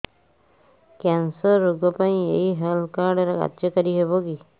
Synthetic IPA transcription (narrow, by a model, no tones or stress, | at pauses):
kɛnsəɾːuɡɔpaĩḛɦiɦelkaɾɖɾeka̰t̪jɔkɔɾiɦebɔki